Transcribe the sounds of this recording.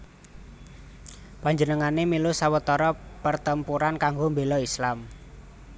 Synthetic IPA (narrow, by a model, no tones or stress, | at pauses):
paɲd͡ʒənəŋanemilusawət̪ɔɾɔpərt̪əmpuɾankaŋɡombelɔislam